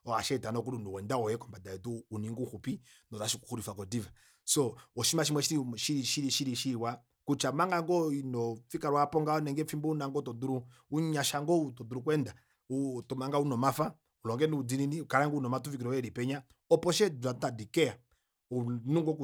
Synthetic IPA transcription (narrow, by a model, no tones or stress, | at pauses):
ɔaʃɛitanɔkulunuwɛndawɔjɛkɔmbadaɛtuːniŋɡuhupi | nɔaʃiku̥huɾifakɔdiva | sɔɔʃimaʃ̬imwɛʃiɾiʃiɾiʃiɾiʃiɾiʃiwa | kut͡ʃamaŋɡaŋɡɔinɔfikaɾwapɔŋɡaɔnɛŋɡɛfimbɔunaŋɡɔtɔduɾu | uɲaʃaŋɡɔutɔduɾukwɛnda | utɔmaŋɡaunɔmafa | ulɔŋɡɛnuud͡zininiukaɾaŋɡunɔmatuvikiɾɔɛɾipɛɲa | ɔpɔʃɛdatadikɛa | unuŋɡɔku